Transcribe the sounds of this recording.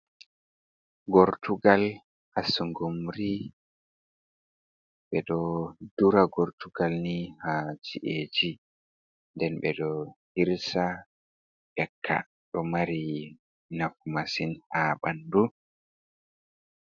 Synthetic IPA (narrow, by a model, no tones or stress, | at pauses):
ɡɔɾtʰuɡal | ʔasuŋɡumɾi | ɓɛɗɔduɾaɡɔɾtuɡalnihad͡ʒiʔeːd͡ʒi | ndɛnɓɛ̰ɗɔhiɾsa | ʔɛkʰːa̰ | ɗɔmaɾi | nafumasinhaɓandu